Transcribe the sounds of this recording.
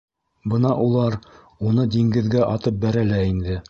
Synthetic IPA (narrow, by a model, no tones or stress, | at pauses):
bɤnɑʔulˠɑɾ | unɤd̪iŋɡɘ̆ðɡæʔɑt̪ɤp̚bæɾælæind̪ɘ